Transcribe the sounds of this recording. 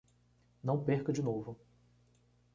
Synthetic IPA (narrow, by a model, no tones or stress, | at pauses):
nɐ̃w̃peɾkɐd͡ʒɪnovʊ